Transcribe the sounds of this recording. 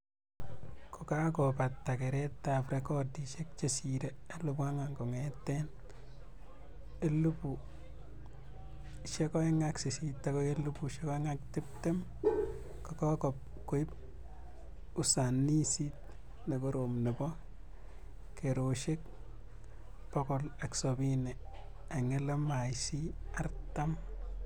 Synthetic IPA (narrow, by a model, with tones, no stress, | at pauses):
ko˨ka˦kɔpatːake˨ɾɛtːapɾekɔtiʃe˦k̚t͡ʃesiɾee˦lupa˦ŋaŋɡɔ˨ŋɛtːɛn | e˦lu˦pu | ʃekɔ˦jŋaksi˨sitːakojelu˦puʃekɔ˦ŋak̚tɪ˦p̚te˦m | kɔkɔ˦kɔp̚ | ko˦i˦p | u˦sa˨ni˦sit̚ | ne˨ko˦ɾomne˨bɔ˦ | kʰe˨ɾo˨ʃe˦k̚ | pɔkɔ˨la˨ksobine˨ | a˨ŋe˦le˦maʃi˦a˦rta˦m